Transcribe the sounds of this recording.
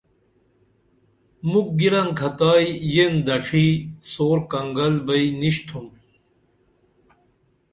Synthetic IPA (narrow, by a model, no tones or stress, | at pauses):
muk̚ɡiɾɐŋkʰɐt̪aːjjend̪ɐʈ͡ʂʰiːsoːɾkɐŋɡɐlbɐiniɕt̪ʰum